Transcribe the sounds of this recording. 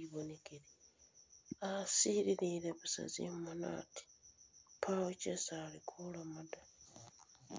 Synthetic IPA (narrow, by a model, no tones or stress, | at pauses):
iβonekeɾi | asiɾiɾiɾeβasa̰zḭmmana̰ːti̥pʰawocesaːlikʰulamada